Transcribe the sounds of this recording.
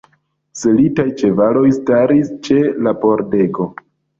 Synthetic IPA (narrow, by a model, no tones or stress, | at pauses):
selitajt͡ʃe̞valo̞jstaɾist͡ʃe̞lapo̞ɾde̞ɡo̞